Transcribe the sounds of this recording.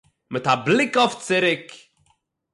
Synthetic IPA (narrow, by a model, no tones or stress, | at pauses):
məthaːblɪkɔft͡sɪɾɪk